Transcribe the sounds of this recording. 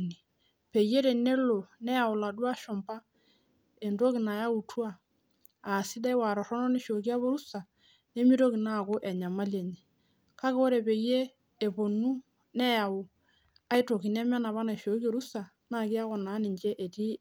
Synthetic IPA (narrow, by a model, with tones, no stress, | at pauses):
ni˨ | pe˨je˦ɾe˨ne˦lo˨nɛ˦ja˨ʊ˨la˨dwa˦ʃɔ˨mba˦ | e˨ndo˦ki˨na˨ja˦u˨twaː˦˨ | si˦da˦i˦wa˨ɾɔ˨ɾɔ˦nɔ˦ne˨ʃo˨ki˦a˦βo˦ɾu˦sa˨ | ne˦mi˦to˦ki˨na˦˨ko˦ʔɛ˨ɲa˨ma˦lje˨ɲe˨ | ka˦ke˦o˦ɾe˨pe˨jeː˦˨ | bo˨nu˦ | nɛ˦ja˨wʊ˨ | a˦i˦to˨ki˨nɛ˦mɛ˦na˨βa˦na˨ʃo˨˦ki˦o˨ɾu˦sa˨ | na˦˨kɪ˦a˦kɔ˨na˨˦nɪ˨ɲt͡ʃe˦ʔe˨ti˦